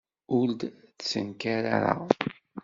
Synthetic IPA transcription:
ʊld̪θsə̰nkaɾa̰ɾa̰

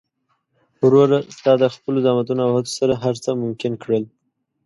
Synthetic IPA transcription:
wɾoɾast̪ɑd̪əxpəlod̪ɑmat̪̬unoawhat̪o̥saɾaɦaɾt͡səmʊmkɪnkɽəl

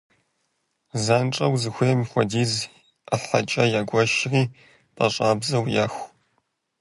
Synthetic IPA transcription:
zaːnʈ͡ʂʼɐwzɨxʷeːmxʷɐdiːz | aħɐ̰t͡ʃʼɐjaːɡʷɔʃriː | pʼɐɕʼaːbzɐwjaːxʷ

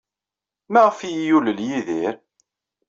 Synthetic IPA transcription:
mæʁəfijjuləljiðiɾ

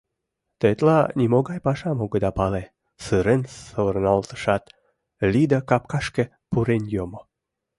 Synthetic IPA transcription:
t̪et̪lɑnimoɡɑjpɑʃɑmoɡəd̪ɑpɑle | sɨɾensəβərnɑlt̪ə̥ʃɑt̪ | lid̪ɑkɑp̚kɑʃkĕ | puɾenjomo

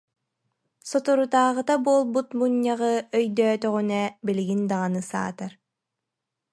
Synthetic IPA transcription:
sɔt̪uɾut̪aːʁɯt̪abuɔlˠbut̪buɲːaʁɯœjd̪œːt̪œʁynɛbiliɡind̪aʁanɯsa̰ːt̪aɾ

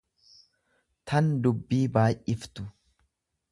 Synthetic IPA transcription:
t̪ʰɐnd̪ʊbːiːbaːʔʔɪft̪ʊ

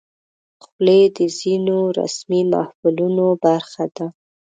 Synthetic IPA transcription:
xled̪əzinoɾa̰smima̰hfulunobaɾxad̪a

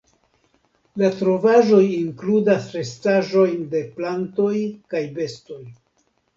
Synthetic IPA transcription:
latɾo̞vaʒo̞jiŋkludasɾe̞staʒo̞jnde̞planto̞jkajbe̞sto̞j

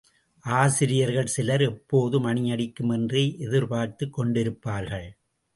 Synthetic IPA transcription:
ʔaːsɪɾɪjɐɾɣɐɭsɪlɐɾɛpːoːðɯmɐɳɪjɐɽɪkːɯmɛndrɐɪʔɛðɪɾpaːɾt̪ːɯkːɔɳɖɪɾɯpːaːɾɣɐɭ

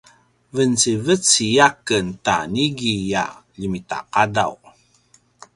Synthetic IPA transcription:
vənt͡sivət͡sijakənta̰niɡija̰ʎəmita̰qadaw

